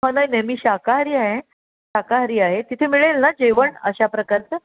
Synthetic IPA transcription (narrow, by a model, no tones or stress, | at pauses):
ɦənajnemiːɕakaɦɾiːaɦẽ | ɕakaɦɾiːaɦet̪it̪ʰemiɭelnad͡ʑeʋəɳə̰ɕapɾəkaɾt͡sə